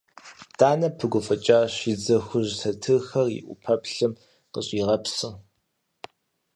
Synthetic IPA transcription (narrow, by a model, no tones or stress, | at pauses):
d̥aːnɐpʰɨɡʷʊfɐt͡ʃʼaːɕid͡zɐxʷʊʑsɐtʰɨxɐrḭʔʷʊ̰pʰɐpɬɨm | qəɕʼiːʁɐpsɨ